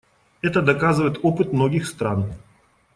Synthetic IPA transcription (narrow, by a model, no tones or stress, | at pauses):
ɛt̪əd̪ɐkazɨvəɪt̪opɨt̪mnoɡʲɪxst̪ɾan